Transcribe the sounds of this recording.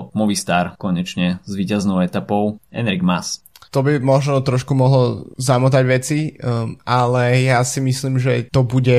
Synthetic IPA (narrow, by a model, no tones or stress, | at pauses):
mɔʋist̪aɾkɔɲɛt͡ʃɲɛzʋiːcaznɔʊɛt̪apɔʊɛnɾiɡmas | t̪ɔbimɔʒnɔt̪ɾɔʃkumɔɦlɔzamut̪aɟʋɛt͡siʔalɛjasimisliːmʒɛt̪ɔbuɟɛ